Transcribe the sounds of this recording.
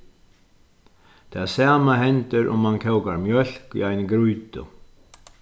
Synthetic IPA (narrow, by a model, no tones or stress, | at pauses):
t̪ʰasaːmaɦɛnt̪ɪɾʔʊ̰mːancʰɛwkaɾmjœl̥kḭajnɪkɾujt̪ʊ̰